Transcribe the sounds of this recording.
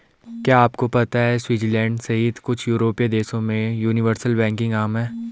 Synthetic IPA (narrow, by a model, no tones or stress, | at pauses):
kjaːaːpkopɐt̪aɦɛswiːd͡ʒlɛ̃ːɳɖsɐɦiːd̪kʊt͡ʃʰjuːɾoːpijad̪eːsõmẽjuːnɪʋəɾsəlbɛ̃ːŋkɪ̃ŋɡaːmɦɛː